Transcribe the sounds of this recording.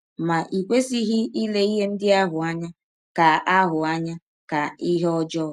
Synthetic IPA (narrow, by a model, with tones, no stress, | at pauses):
ma˨ʔi˨kʷe˦si˦ɦi˦i˦le˦i˦ɦe˦n̩˦dɪ˦a˦ɦʊ˨a˦ɲa˦ | ka˨a˦ɦʊ˨a˦ɲa˦ | ka˨i˦ɦe˦ɔ˦d͡ʒɔ˦